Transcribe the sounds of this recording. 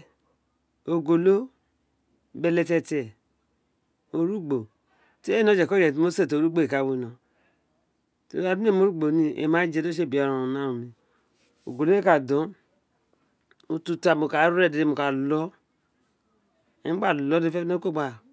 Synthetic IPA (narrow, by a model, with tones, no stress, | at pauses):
o˨ɡo˨lo˦ | be˨le˨tɛ˦tɛ˨ | o˨ɾu˦ɡ͡bo˨ | te˦e˦no˦d͡ʒɛ˨ko˦d͡ʒe˨to˦se˦˨to˨ɾu˦ɡ͡bo˦˨e˨ka˨we˦˨no˨ | to̰˨a˨di˦e˦˨mo˦ɾu˦ɡ͡bo˨ni˦ḛ˨ma˦d͡ʒe˦do˦ʃ̬e˦˨bi˨a˨ɾo˨na˦u˨ni˨ | o̰˨ɡo˨lo˦e˦ka˨dɔ˦ | u˨tu˦ta˨mo˨ka˨˦ɾe˦˨de˨e˨mo˨ka˨lɔ˦ | e˦ɡ͡ba˦˨lɔ˦de˦fe˦no˦ko˦˨ɡ͡ba˨